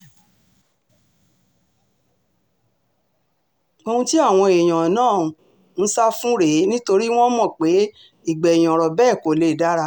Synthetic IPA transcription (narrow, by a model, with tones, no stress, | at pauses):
o˧hũ˧ti˦a˦˨w̃ɔ̃˧e˨j̃ã˨nãː˦˨ | n̩˦sa˦fũ˦ɾe˨˦nĩ˦to˧ɾi˦w̃ɔ̃˦mɔ̃˨k͡pe˨˦ | i˦˨ɡ͡bɛ˨i˨j̃ɔ̃˨ɾɔ˨bɛː˦˨ko˨le˦˨da˦ɾa˧